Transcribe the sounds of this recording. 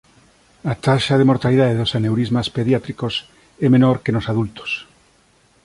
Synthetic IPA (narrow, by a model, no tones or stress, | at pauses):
at̪aʃaðemoɾt̪alið̞aðeðosanewɾizmaspeðjat̪ɾikos | ɛmenoɾkenosaðult̪o̥s